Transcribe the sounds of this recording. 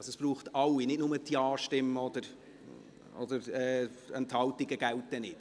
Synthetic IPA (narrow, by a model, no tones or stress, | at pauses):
sɛsb̥ɾuːχtɑlːinɪtnʊmətiɑːʃtɪmːəɔd̪əɾ | ɔd̥̪əɾɛːɛnthɑltiɡəɡ̥æltːənɪt